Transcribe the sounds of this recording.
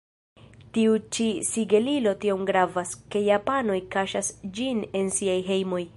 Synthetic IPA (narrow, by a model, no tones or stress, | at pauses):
tiut͡ʃisiɡe̞lilo̞tio̞mɡɾavaske̞japano̞jkaʃasd͡ʒine̞nsiajɦe̞jmo̞j